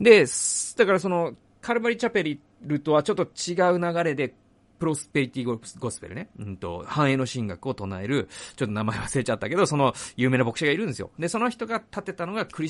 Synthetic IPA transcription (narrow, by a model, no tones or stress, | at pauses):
d̪e̞sd̪akaɾaso̞no̞ | kʰaɾɯ̟baɾʲit͡ɕape̞ɾʲi | ɾɯ̟t̪o̞βat͡ɕo̞t̪ːot͡ɕiɡaɯ̟naɡaɾe̞d̪e̞ | pɯ̟ɾo̞sɨ̥pe̞ɾʲit̪ʲiɡoɡo̞sɨ̥pe̞ɾɯ̟neɯ̃nt̪o̞̰hãɰ̃e̞ːnoɕĩŋɡakɯ̟o̞t̪o̞nae̞ɾɯ̟t͡ɕo̞t̪ːo̞namaeβaseːt͡ɕat̪ːake̞d̪o̞so̞no̞jɯ̟ːme̞ːnabo̞kɯ̟̥ɕiɡaiɾɯ̟̃nd̪esɨjo̞̰d̪e̞so̞no̞çi̥t̪o̞ɡat̪at̪e̞t̪ano̞ɡakɯ̟ɾi